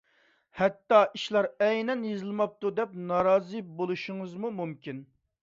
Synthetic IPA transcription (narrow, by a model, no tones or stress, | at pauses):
hɛt̪ːɑʔiʃlˠɑɾɛjnɛnjezɨlˠmɑp̚t̪ud̪ɛp̚nɑɾɑːzɨbolˠuʃʊŋɨzmumumkʲin